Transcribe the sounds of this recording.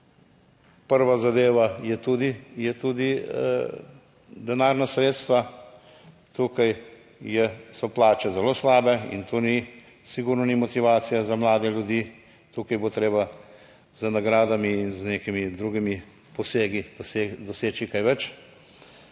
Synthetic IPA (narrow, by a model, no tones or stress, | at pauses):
pəɾʋazad̪eːʋajɛt̪ud̪ijɛt̪uːd̪i | d̪ɛnaːɾnasɾeːt̪st̪ʋa | t̪uːkaj | jɛsɔplaːt͡ʃɛzɛloːslaːbɛḭnt̪oːni | siɡuɾnɔnimɔt̪iʋaːt̪sijazamlaːd̪ɛljud̪iː | t̪uːkajbot̪ɾeːba | z̥ənaɡɾaːd̪amiːnzneːkimid̪ɾuɡimi | pɔseːɡid̪ɔseːt͡ʃikajʋɛt͡ʃ